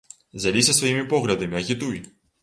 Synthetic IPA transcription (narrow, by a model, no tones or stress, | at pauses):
zʲalʲisʲɐsvʋɐjimʲipɔɣlʲɐd̪ɐmʲiɐɣʲit̪uj